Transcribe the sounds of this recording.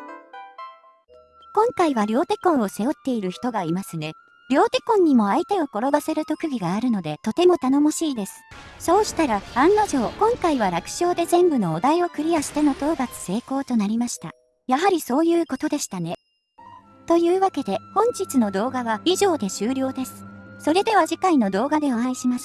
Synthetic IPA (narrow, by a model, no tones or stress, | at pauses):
kõ̞ŋkaiβaɾʲo̞ːt̪e̞kõ̞ɰ̃o̞se̞jo̞t̪ːe̞iɾɯ̟çi̥t̪o̞ɡaimasɨne̞ | ɾʲo̞ːt̪e̞kõɲ̟ːimo̞ait̪e̞o̞ko̞ɾo̞base̞ɾɯ̟t̪o̞kɯ̟ɡʲiɡaːɾɯ̟no̞d̪e̞t̪o̞t̪e̞mo̞t̪ano̞moɕiːd̪e̞sɨ̥so̞ːɕi̥t̪aɾaãnːaʑo̞ːkõ̞ŋkaiβ̞aɾakɯ̟̥ɕo̞ːd̪e̞zẽ̞mbɯ̟no̞ːd̪aio̞kɯ̟ɾʲiaɕi̥t̪e̞no̞t̪o̞ːbat͡sɨ̥se̞ːko̞ːt̪o̞naɾʲimaɕi̥t̪a̰ | jaɦaɾʲiso̞ːjɯ̟ːko̞t̪o̞d̪e̞ɕi̥t̪ane̞ | t̪o̞jɯːβake̞d̪e̞hõ̞ɲ̟d͡ʑit͡sɨno̞d̪o̞ːɡaβaiʑo̞ːd̪e̞ɕɨːɾʲo̞ːd̪e̞sɨ̥so̞ɾe̞d̪e̞βaʑikaino̞d̪o̞ːɡad̪e̞oãiɕimas